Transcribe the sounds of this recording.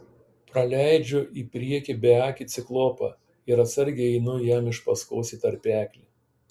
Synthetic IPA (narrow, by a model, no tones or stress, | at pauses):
pɾɐlʲæˑɪd͡ʒʲʊʔiːpʲɾʲiɛkʲibʲɛɑːkʲiːt̪sʲɪklˠoːpɑ̰ | ɪɾɐt̪sɐɾʲɡʲeɛɪnʊjæːmɪʃpɐskoːsʲiːt̪ɐɾʲpʲæːkʲlʲi